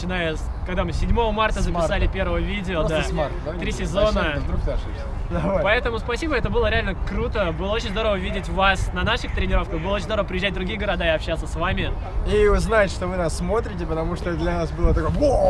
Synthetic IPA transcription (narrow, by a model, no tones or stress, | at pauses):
t͡ɕɪnajəs | kɐɡd̪amɨsʲɪdʲmo̞vəmart̪əzəpɪsalʲɪpʲervəvəvʲidʲɪod̪amad̪t̪ɾʲisʲɪzo̞nəd̪kd̪aʂ | d̪ɐapɐɛt̪əmʊspɐsʲibəɛt̪əbɨlˠəɾʲɪalʲnəkɾut̪əbɨlˠəot͡ɕɪnʲzd̪o̞ɾəvəvʲidʲɪtʲvasnɐnaʂɨxt̪ɾʲɪnʲɪɾo̞fkəxbɨlˠot͡ɕɪnzd̪oɾəvəpɾʲɪʑʲːæt̚ʲd̪ɾʊɡʲijəɡəɾɐd̪aɪɐpɕːat̪səsvamʲɪ | iʊznajɪt̪ʲʂt̪ovɨnasːmo̞t̪ɾʲɪtʲɪpət̪ɐmuʂt̪od̪lʲɐnasbɨlˠət̪ɐkoj